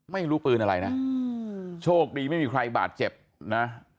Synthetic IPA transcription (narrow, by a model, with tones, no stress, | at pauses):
ma˥˩jɾuː˦˥pɯː˧nʔa˧ɾa˧jna˦˥ | t͡ɕʰoː˥˩k̚diː˧ma˥˩jmiː˧kʰɾa˧jba̰ː˨˩t̪̚t͡ɕe˨˩p̚ | na˦˥